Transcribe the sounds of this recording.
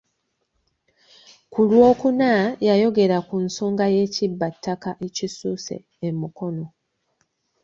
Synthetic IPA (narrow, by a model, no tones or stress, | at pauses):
kulwo̞ːkunajajo̞ɡe̞ɾakunsoːŋɡaje̞ːcibːatʰːakaʔecisuːse̞̰ːmuko̞no̞